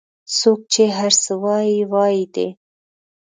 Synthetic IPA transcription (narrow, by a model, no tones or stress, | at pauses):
sok̚t͡ʃeɦaɾsɨwɑːiwɑːjid̪ḛ